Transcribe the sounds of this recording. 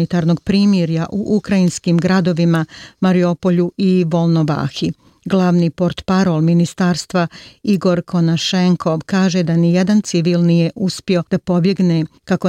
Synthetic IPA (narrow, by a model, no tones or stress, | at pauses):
it̪aːɾno̞ɡ̚pɾiːmjeɾjaʔuʔukɾainskimɡɾad̪o̞ʋimamaɾio̞po̞ʎuiʋo̞lˠnoʋa̰ːxi | ɡlˠaːʋniːpo̞ɾt̪paɾo̞lˠminist̪aːɾst̪ʋaiɡo̞ɾkʰo̞naʃe̞ŋkʰo̞ʋkaːʒe̞d̪anije̞d̪ant̪siʋiːlˠnije̞ʔuspio̞d̪̥apo̞bje̞ɡnekako